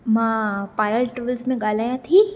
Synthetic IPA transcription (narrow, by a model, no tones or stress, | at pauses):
mãpaːjəlʈɾuʋəlsmẽɡaːlaːjãt̪ʰiː